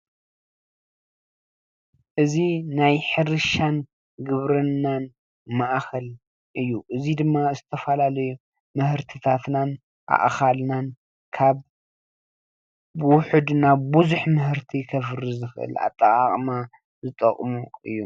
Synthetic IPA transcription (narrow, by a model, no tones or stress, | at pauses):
ʔɨzinajħɨɾɨʃan | ɡɨβɾɨnːan | maʔxʰɐl | ʔɨjːuʔɨzid̪ɨmːazɨt̪ʰɐfɐlalɐju | mɨhɨɾt̪ʰit̪ʰat̪nan | ʔa̰ʔxalnan | kʰaβ | wʊħɨd̪naβːuzuħmɨhɨɾt̪ʰikʰɐfɨɾizɨxʔɨ̰la̰t̪ʼːɐkʼaχʼma | zɨt̪ʼɐ̰qʼmuɨjːu